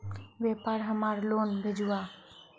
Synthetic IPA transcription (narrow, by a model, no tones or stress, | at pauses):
ʋɛpaɾɦəmaɾlonbʱed͡ʒua